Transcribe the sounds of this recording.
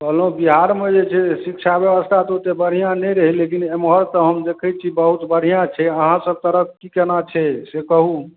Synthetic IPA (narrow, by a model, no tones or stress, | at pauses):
pəɦlobiɦaɾmed͡ʒet͡ʃʰɛsikt͡ʃʰabjəbəst̪ʰat̪ot̪ebəɽ̤ijãnɛɾəɦilekinemɦəɾt̪ɔɦəmd̪ekʰɛt͡ʃʰibəɦut̪bəɽ̤ijãt͡ʃʰɛəɦãsəb̚t̪əɾəp̚ʰkikenat͡ʃʰɛsekəɦũ